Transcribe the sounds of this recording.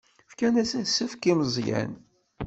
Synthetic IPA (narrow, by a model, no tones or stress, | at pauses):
fkænæsæsːəfkiməzˤjæ̰n